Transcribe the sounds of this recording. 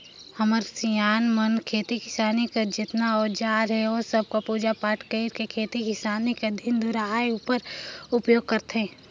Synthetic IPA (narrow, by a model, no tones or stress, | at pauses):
hɐməɾsijaːnmɐnkʰeːt̪ikɪsaːnikad͡ʒɪt̪naɔːɾd͡ʒaːɾɦɛoːsɐb̚kapuːd͡ʒapaːʈʰkeɪɾkekʰeːt̪ikɪsaːniked̪ʱɪnd̪ʊɾaajupəɾʊpjoːɡ̚kɐɾt̪ɦɛ̃ː